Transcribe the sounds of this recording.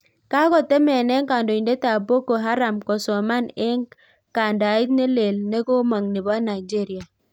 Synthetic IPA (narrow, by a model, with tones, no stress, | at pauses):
ka˦kɔ˨te˦mɛ˨nɛ˦ŋka˨ndo˨i˨nde˦ta˨bo˦ko˨ɦa˦ɾa˨mkɔ˨sɔ˨ma˦ne˦ŋ | ka˨nda˨i˦tne˦le˨lne˦ko˦ma˨ŋni˨ba˦na˨i˨d͡ʒe˦ɾi˨a˨